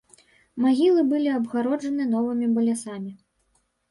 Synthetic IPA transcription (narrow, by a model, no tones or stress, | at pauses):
maɣʲilˠɨbɨlʲiɐbɣaɾɔd͡ʐɐnɨnɔvɨmʲibɐlʲasamʲi